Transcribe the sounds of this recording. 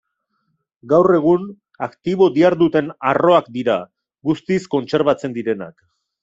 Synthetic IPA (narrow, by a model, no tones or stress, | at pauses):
ɡawre̞ɣ̞un | akt̪iβ̞o̞d̪iaɾdut̪e̞naro̞akd̪iɾa | ɡust̪isko̞nt͡se̞ɾβat͡se̞nd̪iɾe̞na̰k